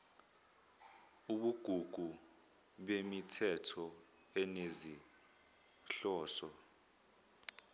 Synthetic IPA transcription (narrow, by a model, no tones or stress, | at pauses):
uɓuɡ̥ʱuɡ̥ʱu | ɓemitʰɛtʰɔ | ɛnezi | ɬɔːsɔ